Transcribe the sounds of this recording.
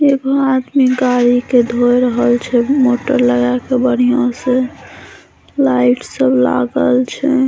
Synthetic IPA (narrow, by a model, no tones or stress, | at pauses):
eɡoad̪miɡaɾiked̪ʱojɾəɦəlt͡ʃʰɛmoʈəɾləɡakebəɽ̤ijõse | laiʈsəbla̰ɡəlt͡ʃʰɛ